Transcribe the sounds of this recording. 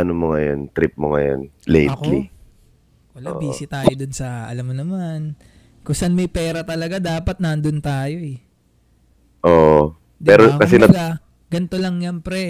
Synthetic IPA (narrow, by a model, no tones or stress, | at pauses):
ɐnomoŋɐjont̪ɾɪp̚moŋɐjo̰nlḛjɐtk̪lḭ | kɐlabiːsɪt̪aːjod̪ʊnsɐɐ̰lamːonɐman | kʊŋsanmɐjpɛːɾɐt̪ɐlɐɡad̪aːpɐt̪̚nɐnd̪ʊnt̪aːjo̞ɛ | ʔoʔ | d̪ɛːɾʔokɐsɛɐa | ɡɐnt̪olɐŋjɐmpɾɛ